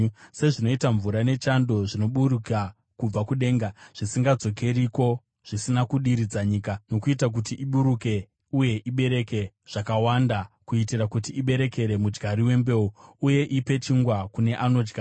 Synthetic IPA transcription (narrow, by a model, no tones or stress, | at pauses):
se̞ʐino̞itaɱvuɾane̞t͡ʃando̞ʐino̞ɓuruka | kub͡vakuɗe̞ːŋɡaʐ̥isiŋɡad͡zo̞ke̞ɾiko̞ | ʐ̥isinakuɗiɾid͡zaɲiːkano̞kuitak̬utiʔiɓuɾuke̞ | uje̞ʔiɓe̞ɾe̞ke | ʐ̥akawandakuitiɾakut̬iʔiɓe̞ɾe̞ke̞ɾe̞mud͡ʒɡʱaɾiwe̞mbe̞uuje̞ʔipe̞t͡ʃiŋɡwakune̞ʔano̞d͡ʒɡa